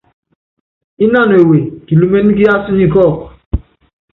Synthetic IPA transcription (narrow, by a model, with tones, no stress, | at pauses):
i˦na˦˨no˨e˨we˨ki˨lu˨me˦n˦ɡi˦a˦su˦ɲi˦kɔ˦˨k